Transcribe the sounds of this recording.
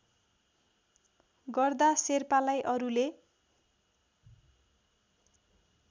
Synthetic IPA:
ɡʌrd̪aserpalajʔʌɾule

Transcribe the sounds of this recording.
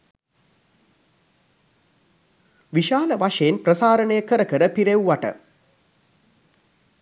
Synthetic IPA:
ʋiʃaːləʋaʂejːnprəsaːɾəɳəjəkəɾəkəɾəpiɾewʋaʈə̰

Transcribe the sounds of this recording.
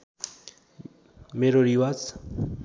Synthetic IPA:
meɾoɾiwat͡s

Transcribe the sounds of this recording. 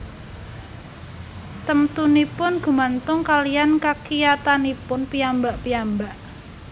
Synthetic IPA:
t̪əmt̪unipʊnɡ̥ṳmant̪ʊŋkalijankakijat̪anipʊnpijambaʔpijambaʔ

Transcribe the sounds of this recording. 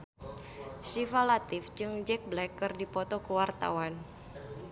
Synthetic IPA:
sifalat̪ɪfd͡ʒɨŋd͡ʒɛk̚blɛkːərdipɔt̪ɔkəwart̪a̰wan

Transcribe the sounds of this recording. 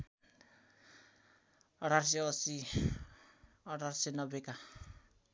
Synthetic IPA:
ʌʈars̬eʌsi | ʌɽarsenʌbeka

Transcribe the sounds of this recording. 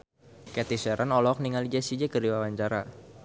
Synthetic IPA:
kɛt̪isɛɾʔanɔlɔk̚niŋalid͡ʒasid͡ʒɛkəɾiwawaɲt͡ʃaɾa

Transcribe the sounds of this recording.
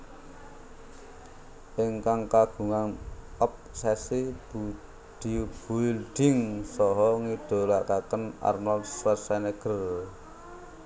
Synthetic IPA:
ʔɪŋkaŋkaɡ̥ṳŋaŋɔp̚sɛsibu | d̥ib̥ulɖ̪̥ɪ̤ŋsɔɦɔŋid̪̥o̤lak̪akəna̰rnɔlswɛt̪sɛnɛɡ̥ər

